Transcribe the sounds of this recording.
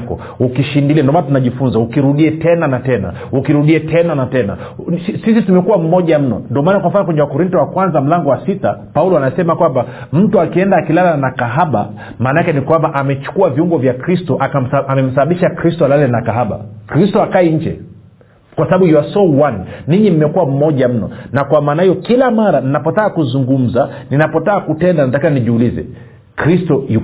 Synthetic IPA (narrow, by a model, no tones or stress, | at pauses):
kɔ̰ | ukiʃindiliandɔmanatunaʄifunzaukiɾuɗiɛtɛnanatɛna̰ | ukiɾuɗiɛtʰɛnanatɛna̰ | isisitumɛkuwam̩mɔʄam̩nɔ̰ndɔmaːnakwam̩fanɔkwɛɲɛwakɔɾintɔwakwanzam̩laŋɡɔwasita̰paulɔanasɛmakwamba | m̩tuakiɛndaːkilalanakaɦaɓa̰ | maːnakɛnikwambaʔamɛt͡ʃu̥kuaviuŋɡɔvjakɾistɔʔaaamɛm̩saɓaɓiʃakɾistɔalalɛnakaɦaɓa̰kɾistɔakaɛɲ̩d͡ʒɛ̰ | kwasaɓaɓujuwasɔwanːiɲimimɛkuwam̩mɔʄam̩nɔ̰nakwamaːnahijɔkilamaɾaninapɔtaːkuzuŋɡum̩zaninapɔtaakutɛndanatakaaniʄiulizɛ̰ | kɾistɔju